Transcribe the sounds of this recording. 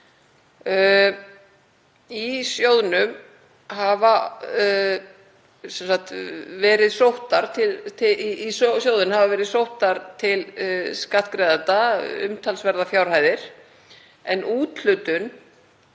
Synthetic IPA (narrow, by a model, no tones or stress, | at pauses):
isjoːwðnʏm | hava | sɛnsak̚t̪vɛːɾɪðsowht̪aɾ̥t̪ʰɪlt̪ʰɪissjowðʏnhavavɛːɾɪðsowht̪aɾt̪ʰɪlskaht̪kɾɛjðant̪aʏ̰mt̪ʰalsvɛɾðafjawɾ̥haːjðɪɾ̥ | ɛnʔuːt̪l̥ʏt̪ʏn